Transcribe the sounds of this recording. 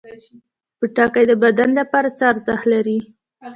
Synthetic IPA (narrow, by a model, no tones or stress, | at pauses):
pəʈɑkajd̪əbad̪anlapɑɾat͡sɑɾzahlaɾi